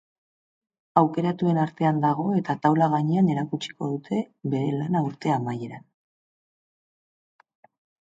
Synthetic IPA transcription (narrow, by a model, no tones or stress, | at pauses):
awke̞ɾat̪ue̞naɾt̪e̞and̪aɣ̞o̞e̞t̪at̪awlaɣ̞aɲeane̞ɾakut͡ʃi̥ko̞ðut̪ʰe̞βe̞ɾe̞lanauɾt̪e̞amaje̞ɾan